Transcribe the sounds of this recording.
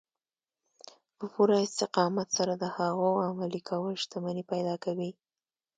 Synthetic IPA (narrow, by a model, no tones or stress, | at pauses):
pəpuɾaɪst̪ɪqɑmat̪saɾad̪əhaɣoamalikʰawəlʃt̪amanipajd̪ɑkawi